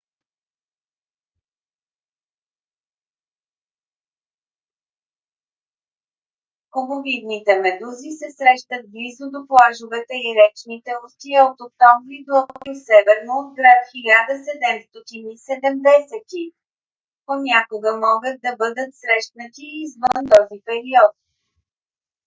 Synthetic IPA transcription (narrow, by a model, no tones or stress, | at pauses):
xobovid̪nit̪ɛmɛd̪uzisɛsɾɛʃt̪ət̪̚blizʊd̪oplˠaʒʊvɛt̪ɛiɾɛt͡ʃnit̪ɛost̪iəot̪ok̚t̪ɔɱvɾid̪oɐisɛvɛɾnoːd̪̚ɡɾat̪xilʲad̪əsɛd̪ɛmst̪ɔt̪inisɛd̪ɛmd̪ɛsɛt̪i | ponʲakoɡəmɔɡət̪̚d̪ɐbɤd̪ət̪sɾɛʃt̪nət̪iːzvənt̪ɔzipɛɾiɔt̪̚